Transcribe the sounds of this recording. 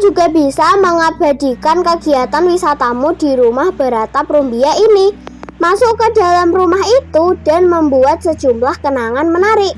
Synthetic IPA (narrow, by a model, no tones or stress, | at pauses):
d͡ʒuɡ̥a̤bisaməŋab̥a̤d̪̥i̤kankəɡ̥iat̪anwisat̪amud̥i̤ɾumahb̥a̤ɾat̪apɾumbiaʔinimasukəd̥a̤lamrumaɦit̪ud̥a̤nməmbuat̪̚səd̥ʒ̥umlahkənaŋanmənaɾɪʔ